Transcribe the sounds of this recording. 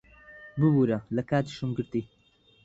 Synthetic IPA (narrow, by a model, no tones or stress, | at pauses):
bɨbuɾɐlɐkaːt̪i̥ʃɨmɡɨɾt̪i